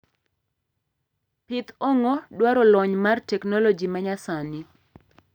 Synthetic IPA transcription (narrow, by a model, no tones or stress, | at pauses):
pɪt̪ɔŋɔdwaɾɔlɔɲmartɛknɔlɔd͡ʒimaɲasanɪ